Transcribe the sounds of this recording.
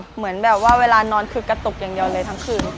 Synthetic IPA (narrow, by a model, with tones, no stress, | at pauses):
mɯ˩˦ənbɛː˨˩p̚waː˥˩weː˧laː˧nɔː˧nkʰɯː˧ka˧t̪o˨˩k̚jaː˨˩ŋdi˧ɐwlɤː˧jt̪ʰa˦˥ŋkʰɯː˧n